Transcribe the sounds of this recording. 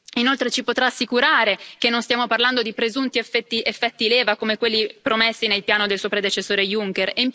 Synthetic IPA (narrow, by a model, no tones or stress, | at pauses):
inolt̪ɾet͡ʃipot̪ɾaːsːikuɾaːɾek̟enːonst̪jaːmoparland̪od̪ipɾezunt̪iefɛt̪ːiefːɛt̪ːileːvakomekwelːipɾomesːinelpjaːnod̪elsuopɾed̪et͡ʃesːoːɾejuŋk̟ereimp